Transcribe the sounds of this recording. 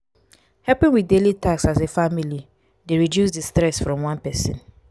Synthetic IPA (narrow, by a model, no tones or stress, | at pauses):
hɛlpĩŋwiθdelitʰaksasefamili | deɹidjusdistɹɛsfɹɔ̃mwãnpɛsḭ̃n